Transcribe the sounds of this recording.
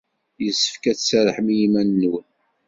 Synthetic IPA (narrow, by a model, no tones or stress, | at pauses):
jəsːə̥fkæt͡ssəɾˤəħəmijimænːuwn